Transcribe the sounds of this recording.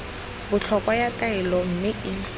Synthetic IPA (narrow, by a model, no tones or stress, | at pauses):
bʊt͡ɬʰɔkʼɔjatʼaɪlɔm̩mɪʔɪ